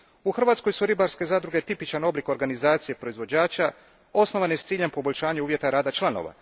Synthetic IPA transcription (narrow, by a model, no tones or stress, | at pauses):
uxr̩ʋaːt̪sko̞jsuɾibaɾske̞zaːd̪ɾuɡe̞t̪ipit͡ʃano̞bliko̞ɾɡanizaːt̪sijepɾo̞izʋo̞d͡ʑaːt͡ʃa | o̞sno̞ʋanest̪siːʎempo̞bo̞ʎʲʃaːɲeuːʋje̞t̪aɾaːd̪at͡ʃlˠano̞̰ʋa̰